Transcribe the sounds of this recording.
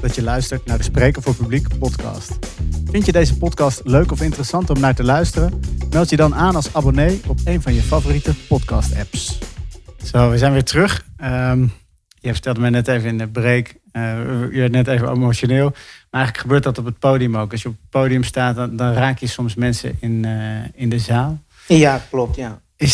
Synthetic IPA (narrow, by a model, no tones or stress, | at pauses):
d̥ɑtjəlœɥstəɹtnaːɹdəsprejkənvʊːɹpyblikpɔtkɑ̰stfɪntjədejzəpɔtkɑstløɥkɔfɪntərəsɑntɔmnaːɹtəlœɥstərənmɛlˠtjədɑnʔaːnɑlˠsabonejɔpejnvɑnjəfavoːritəpɔtkɑ̰stɛ̰ps | tɛʋəzɛjnʋɪːɹtərɵχəm | jəvəɹtɛlˠdəmɛjnɛtejvəɪndəbrejk | əjəʋɛɹtnɛtejvəḛmoʃonɪːlˠmaɹɛjχələkχəbøːɹt̚dɑtɔp̬ət̚powdiəmowkɑsjəɔpət̚powdijəmstaːtdɑnraːkjəsɔmsmɛnsə̰ɪnɪndəzaːlˠ | jaklɔp̚tja | ɪ